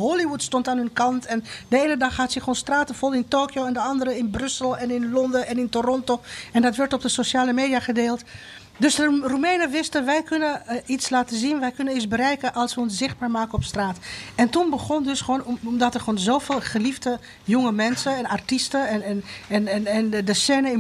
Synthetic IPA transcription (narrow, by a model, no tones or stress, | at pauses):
ɦoliʋutstɔntaːnɦønkɑntɛndəeːnədɑχhaːtsəxoːnstraːtəfɔlˠɪntoːkjoɛndəɑndərəɪnbrʏsəlˠɛnɪnlɔndəʔɛnɪntorɔntoɛndɔtʋɛɹtɔb̚dəsoʃaːləmeːdiaχədeːlˠt | døsərumeːnəʋɪstəʋɛjkønəislaːtəzinʋɛjkønənisbərɛjkəʔɑlˠsʋəɔnsz̥ɪχd̚baːɹmaːkəɔpstraːtɛntunbəχɔndøsχoːnmdɔtərχoːnzoːfeːlˠχəlifdə | joŋəmɛnsəɛnartistəɛnɛnɛnɛnɛndəsɛːnəɪ